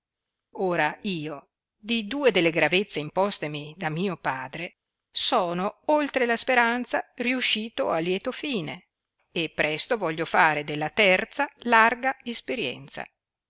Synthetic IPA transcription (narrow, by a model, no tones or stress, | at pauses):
oːɾaiːo | d̪id̪uːed̪elːeɡɾavet̪sːeimpɔst̪emid̪amiːopaːd̪ɾe | sɔːnoolt̪ɾelaspeɾant̪sariuʃːiːt̪oalːjɛːt̪ofiːne | epːɾɛst̪ovɔʎːofaːɾed̪elːat̪ɛrt̪salarɡaespeɾjɛ̰nt̪sa̰